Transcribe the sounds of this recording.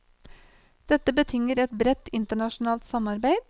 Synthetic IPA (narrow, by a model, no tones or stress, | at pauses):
d̪̥ɛt̪əbət̪ʰɪŋəɾɛt̪bɾɛt̪ɪnt̪əɳɑʃn̩ɑːlt̪sɑmɑɾbeɪd̪